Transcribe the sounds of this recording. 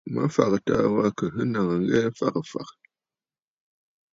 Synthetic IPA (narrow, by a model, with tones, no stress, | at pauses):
ma̰˦fa˨kta̰˨wa˦kə˨ɦɨ˦na˨ŋə˨ŋ̩˦ɣɛ˦fa˦˨kfa̰˨k